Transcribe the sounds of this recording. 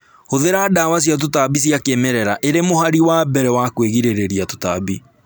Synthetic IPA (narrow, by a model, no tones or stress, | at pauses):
hoðeɾadawas̬jat̬otabis̬iakemɛɾɛɾaʔeɾemohaɾiwabɛɾɛwakweɣiɾeɾeɾiato̥ta̰bi